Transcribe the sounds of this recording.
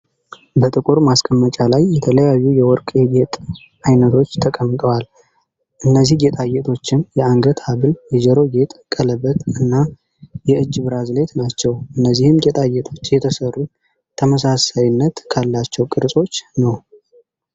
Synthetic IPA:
bət̪ʼɨkʼuɾmaskʼəmːət͡ʃʼalajːɛt̪ʰələjajːujɛwɔɾkʼeɡet̪ʼ | ajnət̪ʰo̞t͡ʃːt̪ʰəkʼəmːt̪ʼəwal | ʔɨnːəzːihɡet̪ʼajet̪ʰo̞t͡ʃːɪnjɛaŋɡət̪ʰaβɨljɛd͡ʒɛɾo̞ɡe̞t̪ʼkʼələbət̪ʼɨnːa | jɛɨd͡ʒːβɨɾazle̞t̪nat͡ʃːɛwʔɨnːəzːihɨmɡet̪ʼajɛt̪ʰo̞t͡ʃːjɛt̪ʰəsərːu | t̪ʰəməsasajɪnːət̪kʰalːat͡ʃːɛwkʼɨɾsʼo̞t͡ʃːnəw

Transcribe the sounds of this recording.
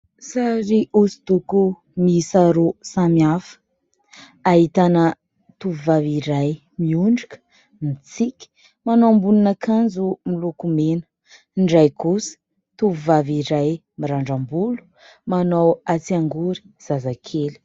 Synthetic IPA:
saɾiʔusi̥t̪uku | misaɾusamiafə̥ | aɦit̪anə | t̪uvuvaviɾaj | miuɳɖ͡ʐi̥kə̥ | mit͡sikʲ | manoambulunakʰand͡zumilukumenə̥ | ɳɖ͡ʐajkusə̥ | t̪uvuvaviɾaj | miɾaɳɖ͡ʐambulu̥ | manowat͡siaŋɡuɾi̥ | z̥azakʰeli̥

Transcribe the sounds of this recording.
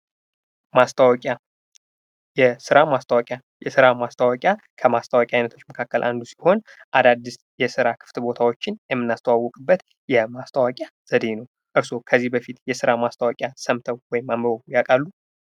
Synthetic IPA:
mast̪ʰwkʼa | jɛsɨɾamast̪ʰəwakʼja | jɛsɨɾamast̪ʰawakʼja | kʰəmast̪ʰawakʼjajnət̪ʰot͡ʃːməkʰakːəlʔa̰nd̪usi̥ho̞n | ʔad̪ad̪ːis | jɛsɨɾakʰɨ̥ft̪ʰɨbo̞t̪ʰawot͡ʃːɪnjɛmːɨnːast̪ʰəwawːɔkʼɨbːət̪ | jɛmast̪ʰəwakʼjaz̥əd̪e̞nəw | ʔɨɾso̞kʰəzːihbəfit̪jɛsɨɾamast̪ʰəwakʼjasəmt̪ʰəwwɔjɪmːaməβəujakʼalːu

